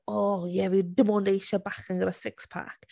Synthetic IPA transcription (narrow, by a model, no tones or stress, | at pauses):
ɔjɛvidɪmɔndejʃabaχəŋɡəɾəsɪkspʰa̰k